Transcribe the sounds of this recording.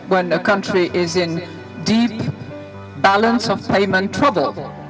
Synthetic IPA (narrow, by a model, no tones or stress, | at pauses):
wə̃nəkʰʌ̃nt͡ʃɹ̥iʔɪzɪ̃n | dip | b̥ælˠə̃nsəv̥pʰẽɪ̃mə̃ntʰɹ̥ʌbəlˠ